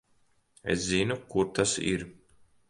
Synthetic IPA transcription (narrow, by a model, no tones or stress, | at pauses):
ḛszinukuɾt̪asḭɾ